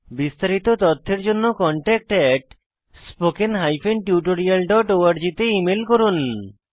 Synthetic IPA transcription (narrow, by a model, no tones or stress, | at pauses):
bist̪aɾit̪ot̪ɔt̪ʰːeɾd͡ʑonːokɔɳʈɛk̚ʈɛʈ | spokenɦajfʰenʈjuʈoɾialɖɔʈoaɾd͡ʑit̪eimelkoɾun